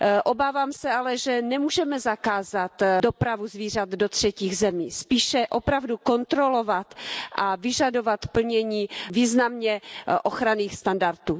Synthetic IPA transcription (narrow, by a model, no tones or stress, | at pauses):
ʔobaːvaːmsɛalɛʒɛnɛmuːʒɛmɛzakaːzat̪dopɾavuzviːr̝at̪dot̪r̝̥ɛciːɣzɛmiːspiːʃɛʔo̞pɾavduko̞nt̪ɾo̞lo̞vat̪ʔavɪʒado̞vat̪pl̩ɲɛɲiːviːznamɲɛʔoxɾaniːxst̪andaɾt̪uː